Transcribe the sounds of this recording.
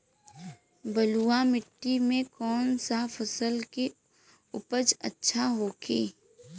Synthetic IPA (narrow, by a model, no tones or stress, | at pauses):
bəluːamɪʈːimẽkɔːnsafəsəlke | ʊpəd͡ʒə̰tːʃʰaɦoːkʰiː